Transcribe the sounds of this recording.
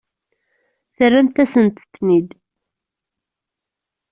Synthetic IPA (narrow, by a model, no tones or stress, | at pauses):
θərːæmt̪æsənt̪θnid̪